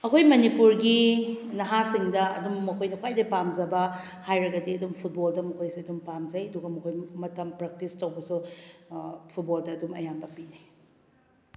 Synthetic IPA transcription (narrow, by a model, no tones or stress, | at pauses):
ɐkʰojmɐnipuɾɡinɐɦasiŋdɐɐ̰dumːɐkʰojnɐkʰwajdɐpamzɐbɐ | hajɾɐɡɐdiɐdumpʰut̚boldɐmɐkʰojsiɐdumpamzɐjɐduɡɐmɐkʰojmɐtɐmpɾɐk̚tistɐwbɐsu | pʰut̚boldɐːdumɐ̰jambɐpine